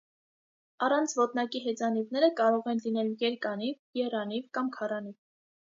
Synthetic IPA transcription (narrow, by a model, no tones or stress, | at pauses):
ɑrɑnt͡sʰvɔt̪nɑkiɦɛt͡sɑnivnɛɾəkɑɾɔʁɛnlinɛljɛɾkɑnivjɛrɑnivkɑmkʰɑrɑniv